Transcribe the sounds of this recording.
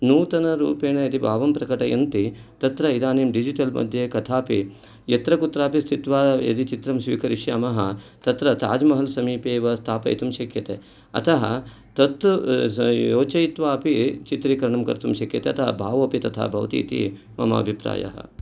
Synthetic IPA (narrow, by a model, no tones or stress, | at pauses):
nuːt̪ɐnɐɾuːpeːɳɐjɐd̪ibʱaːʋɐmpɾɐkɐʈɐjɐnt̪it̪ɐt̪ɾɐid̪aːneːmɖid͡ʒiʈɐlmɐ̰d̪ʱjekɐt̪ʰaːpi | jɐt̪ɾɐkut̪ɾaːpist̪ʰit̪ʋaːjɐ̰d̪it͡ʃit̪ɾɐmsʋḭːkɐɾiʃjɐmɐɦɐt̪ɐt̪ɾɐt̪a̰ːd͡ʒmɐɦɐlsɐmiːpeːʋɐst̪ʰaːpɐ̰jḭt̪umʃɐkʰjɐt̪e | ɐ̰t̪ʰɐɦɐ | t̪ɐt̪ | joːt͡ʃɐjit̪ʋaːɐpit͡ʃit̪ɾikɐɾɐɳɐmkɐ̰ɾt̪umʃɐkʰjɐt̪eɐt̪ʰɐɦɐ̰bʱaːʋoːpit̪ɐt̪ʰa̰ːbʱɐʋt̪ḭːt̪ḭ | mɐ̰mɐ̰ɐbʱipɾa̰ːjɐ̰ɦɐ̰